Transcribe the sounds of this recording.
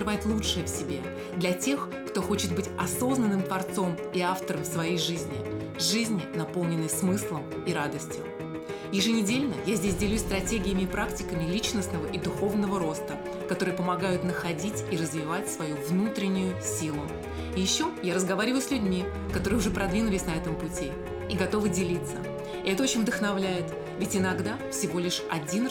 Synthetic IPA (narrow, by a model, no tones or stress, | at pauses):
ɨvajɪt̪lˠuʂɨjəfsʲɪbʲe̞̰ | d̪lʲɐtʲe̞x | kt̪o̞xo̞t͡ɕɪt̪̚bɨtʲɐso̞znənːɨmt̪vɐrt̪so̞m | iaft̪əɾəmfsvɐjejʐɨzʲnʲɪ | ʐɨzʲnʲɪnɐpo̞lˠnʲɪnːəjsmɨslˠəm | iɾad̪əsʲtʲjʊ | jɪʐɨnʲɪdʲelʲnəjazʲdʲesʲdʲɪlʲusʲst̪ɾɐtʲeɡʲɪjɪmʲɪɪpɾaktʲɪkəmʲɪlʲit͡ɕnəsnəvəʔid̪ʊxo̞vnəvəɾo̞st̪ə | kɐt̪o̞ɾɨjəpəmɐɡajʊt̪nəxɐdʲitʲiɾəzvʲɪvatʲsvɐjuvnut̪ɾʲɪnʲːʊjʊsʲilˠʊ | jɪɕːojaɾəzɡɐvaɾʲɪvəjʊsʲlʲʉdʲmʲi | kɐt̪oɾɨjʊʐɛpɾɐd̪vʲinʊlʲɪsʲnɐɛt̪əmpʊtʲi | iɡɐt̪o̞vɨdʲɪlʲit̪sə̰ | ɪɛt̪əot͡ɕɪnʲvd̪əxnɐvlʲæjɪt̪ | vʲɪtʲɪnɐɡd̪afsʲɪvo̞lʲɪʂɐdʲin